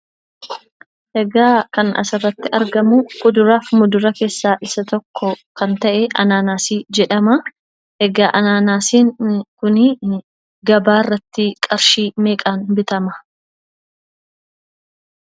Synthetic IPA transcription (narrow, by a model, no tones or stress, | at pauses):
ʔɛɡaːkɐnɐ̰sɐrːɐt̪ːɪʔɐɾɡɐmʊkʊd̪ʊɾaːfmʊd̪ʊɾɐke̞ːsːaːʔɪsɐt̪ɔkʰːɔkɐnt̪ɐʔɛʔɐnaːnaːsiːd͡ʒɛᶑɐmɐ | ʔɛɡaːʔɐnaːnaːsiːŋkʊnɪ | ɡɐbaːrːɐt̪ːɪkʼɐɾʃiːmeːkʼaːnbɪt̪ɐmɐ̥